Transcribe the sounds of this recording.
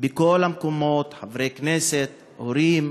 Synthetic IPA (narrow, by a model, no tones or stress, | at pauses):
beko̞lamkomo̞t̪ħavɾejkneset̪ | ʔoɾim